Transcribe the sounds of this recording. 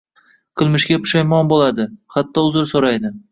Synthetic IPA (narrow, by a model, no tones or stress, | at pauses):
qʰɨlˠmɪʃkʲapʰʊ̥ʃajmɒnbolad̪ɪχat̪ʰːɒʊzɪɾsoɾajd̪ɪ